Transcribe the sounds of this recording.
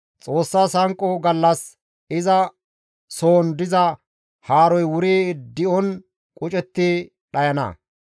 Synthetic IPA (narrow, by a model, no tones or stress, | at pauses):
t͡sʼo̞ːsːaːsɐŋkʼɔɡɐlːɐs | ɪzɐ | soːnd̪ɪzɐ | haːɾɔjwʊɾeːd̪ɪɔn | kʼʊt͡ʃʼɛt̪ːɪ | ɗɐjɐnɐ̰